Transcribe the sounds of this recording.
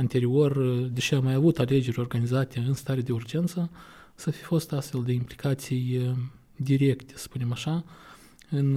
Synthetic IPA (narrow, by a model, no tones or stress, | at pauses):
ant̪e̞ɾio̞rd̪eʃiamajavut̪ale̞d͡ʒe̞ɾʲo̞rɡanizat̪e̞ɨnst̪aɾed̪e̞urd͡ʒe̞nt̪sə | səafifo̞st̪ast̪fe̞ld̪e̞implikat̪sij | d̪iɾe̞kt̪e̞̥sə̥spune̞maʃa | ɨn